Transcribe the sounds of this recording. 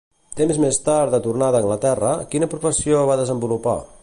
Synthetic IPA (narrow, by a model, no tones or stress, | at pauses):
t̪emzmest̪aɾd̪ət̪urnaðəŋɡlət̪ɛrəkinəpɾufəsioβ̞aðəzəmbulupa̰